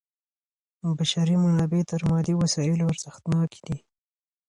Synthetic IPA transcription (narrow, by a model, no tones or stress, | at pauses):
baʃaɾimanɑbet̪əɾmɑd̪iwasɑɪloaɾz̥əxt̪nɑki̥d̪i